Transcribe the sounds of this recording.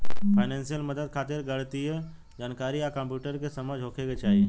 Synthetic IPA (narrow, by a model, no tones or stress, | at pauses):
pʰaɪnẽːnsijəlmɐd̪əd̪̚kʰaːt̪ɪɾɡɐɽt̪iɦɛ | d͡ʒaːnkaːɾijakə̃mpjuːʈəɾkesɐmad͡ʒɦoːkʰeɡet͡ʃaːɦie